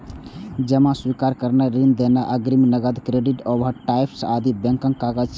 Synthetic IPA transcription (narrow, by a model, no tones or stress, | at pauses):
d͡ʒəmãswikaɾkəɾnɛɾind̪enaʔəɡɾiminəɡəd̪kɾeɖiʈobʱəɾʈaipʰsad̪ʱibɛ̃ŋkəŋkaɡət͡ʃʰ